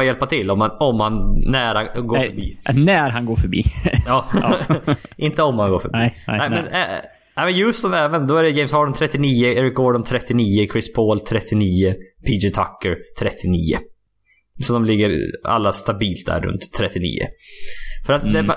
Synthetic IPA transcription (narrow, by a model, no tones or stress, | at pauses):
jɛlpat̪ʰɪlːɔmanɔmhanːæɾhaɡoːfœɾbḭːnæɾɦanɡoːɾfœɾbḭːjɑː | ʔɪnt̪əɔmhanɡoːɾfœ̰biːnæɪmɛnɛ | nɛɪmɛnjɵst̪ɔmɛːvənd̪ɔæɾɛjɛɪmsɔːɖɔnt̪ʰɾɛt̪ːɪniːəeːɾɪk̚ɡɔːɖɔnt̪ʰɾɛt̪ːɪniːəkʰɾɪspʰoːlt̪ʰɾɛt̪ːɪniːəpʰiːd͡ʒɪt̪ʰa̰kːəɾt̪ʰɾɛt̪ʰːɪniːə̰ | sɔɔmlɪɡːəɾa̰lːast̪abiːlt̪̚d̪æ̰ɾːɵ̰nt̪ʰːɾɛt̪ːɪnḭːə̰ | fœɾat̪d̪ɛ